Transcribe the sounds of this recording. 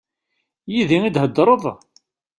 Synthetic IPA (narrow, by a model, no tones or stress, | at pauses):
jiðiŋid̪ɦəd̪ːɾˤəðˤ